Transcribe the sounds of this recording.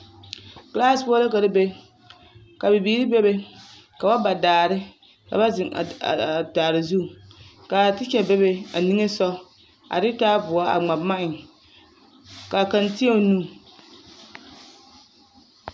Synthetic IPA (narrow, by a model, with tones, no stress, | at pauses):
klaː˦˨spʊ˦ɔ˦la˦ka˨ɾɪ˦be˦ | ka˨bɪ˨biː˨˦ɾi˦be˦be˦ | ka˨ba˦ba˨daː˨ɾɪ˦ | ka̰˨ba˦˨daː˨ɾɪ˨zu˦˨ | ka˨tɪ˦t͡ʃɛ˨be˦be˦a˨ni˦ŋe˦sɔ˦ | a̰˨ɾɪ˦taː˦bʊ˨a˦a̰˨ŋ͡ma˨bma˦ʔɪ˨ | ka˨ka˨ntɪ˦e˦˨nuː˦˨